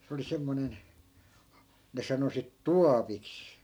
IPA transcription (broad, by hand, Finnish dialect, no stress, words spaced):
se oli semːonen ne sɑno sit tuɑpiks